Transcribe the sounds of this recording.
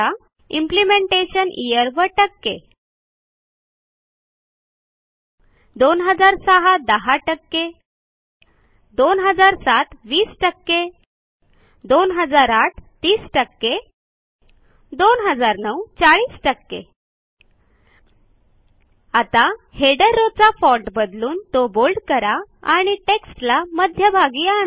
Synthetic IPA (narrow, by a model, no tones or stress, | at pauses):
a | implimeɳʈeɕənʔijəɾʋəʈəkːe | d̪onɦəd͡zaɾsəɦad̪əɦaʈəkːe | d̪onɦəd͡zaɾsaʈʰʋiːsʈəkːe | d̪onɦəd͡zaɾaʈʰt̪iːsʈəkːe | d̪onɦəd͡zaɾnəwt͡saɭiːsʈəkːḛ | at̪aheɽəɾːot͡safɔʈbəd̪luːnt̪obolɖkəɾaaɽ̃iʈeksʈlaməd̪ʱjəbʱaɡiːaɳa